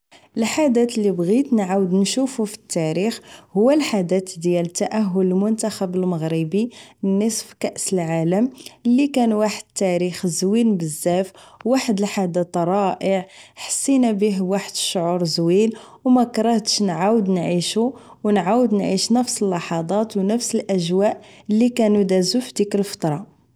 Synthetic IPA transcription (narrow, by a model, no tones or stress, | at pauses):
ʔəlħad̪æt̪lːibɣit̪nʕawəd̪nʃufufi̥t̪ːæɾixhʊwːælħad̪æt̪d̪jælt̪ːæʔæɦːʊləlmʊnt̪axæbəlməɣɾibinːəsfkæʔsəlʕaləmlːikænwaħəd̪̚t̪ːæɾixzwinbəzːæfwaħəd̪əlħad̪ət̪ɾˤɑʔəʕħə̥sˤːinæbiɦwaħəd̪ʃːʕuɾˤzwil | wmækɾˤɑht̪ʃnʕawəd̪nʕiʃu | wnʕawəd̪nʕiʃnəfsəlːɑħɑd̪ˤɑt̪wnəfsəlʔæʒwæʔəlːikænud̪æzufd̪ikəlfə̥t̪ˤɾˤɑ